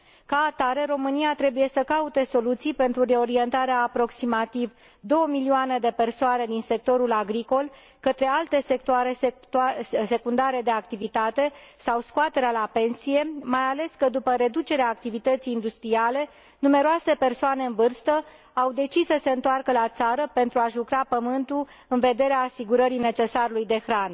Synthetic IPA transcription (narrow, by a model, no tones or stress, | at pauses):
kaːt̪aɾe̞ɾo̞mɨniat̪ɾe̞buje̞səkaut̪e̞so̞lut̪sijpe̞nt̪ɾuɾe̞o̞ɾie̞nt̪aɾeaːpɾo̞ksimat̪iv | d̪o̞wəmilioaned̪e̞pe̞rsoane̞d̪inse̞k̚t̪o̞ɾulaɡɾiko̞l | kət̪ɾe̞alt̪e̞se̞k̚t̪oaɾe̞ | se̞kund̪aɾe̞d̪e̞ak̚t̪ivit̪at̪e̞sawskoat̪e̞ɾealape̞nsije̞majale̞skəd̪upəɾe̞d̪ut͡ʃe̞ɾeaːk̚t̪ivit̪ət̪sijːnd̪ust̪ɾiale̞ | nume̞ɾoase̞pe̞rsoane̞ɨnvɨrst̪ə | awd̪e̞t͡ʃissːəse̞ɨnt̪oarkəlat̪saɾəpe̞nt̪ɾuaʒukɾapəmɨnt̪u | ɨnve̞d̪e̞ɾeaːsiɡuɾəɾine̞t͡ʃe̞saɾulujd̪e̞xɾan